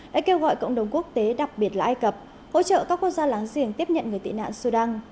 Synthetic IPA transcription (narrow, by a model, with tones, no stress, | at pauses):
ɗa̰ː˧˥ke˧wɣɔ̰˧˨jkə̰˧˨wŋ͡mɗə˨˩wŋ͡mku˦˥ək̚t̪e˨˦ɗa˨˩k̚ɓi˨˩ət̚laː˧ʔaː˧jkə˨˩p̚ | ho̰˧˥t͡ɕə̰ː˧˨kaː˦˥kːwək̚zaː˧laː˨˦ŋzḭ˧˩əŋt̪i˦˥əp̚ɲə̰˧˨nŋɨ˨˩əjt̪ḭ˧˨na̰ː˧˨nsu˧ɗaː˧ŋ